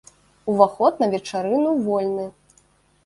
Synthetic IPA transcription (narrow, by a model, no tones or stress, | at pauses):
uvaxɔt̪̚nɐvʲɛt͡ʂaɾɨnuvɔlʲnɨ